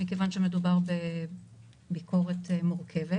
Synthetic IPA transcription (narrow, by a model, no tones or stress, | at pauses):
mikevanʃemedubaʁbe | bikʰo̞ʁe̞tmuʁkʰe̞ve